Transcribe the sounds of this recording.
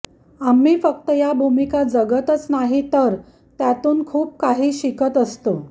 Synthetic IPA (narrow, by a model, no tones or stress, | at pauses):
amːiːfəkt̪əjabʱumikad͡zəɡət̪ət͡snaɦit̪əɾ | t̪jat̪uːnkʰuːp̚kaɦiːɕikət̪əst̪o